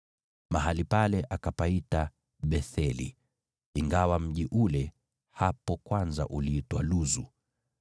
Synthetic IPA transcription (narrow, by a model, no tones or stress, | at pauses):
maɦalipalɛʔakapaita | ɓɛθɛlḭ | iŋɡawam̩ʄiʔulɛ | hapɔkwanza̰ʔuliitwaluzu